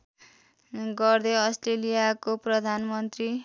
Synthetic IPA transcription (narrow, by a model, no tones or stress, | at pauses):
ɡʌrd̪eʌsʈrelijakoprʌd̪ʱanmʌnt̪ri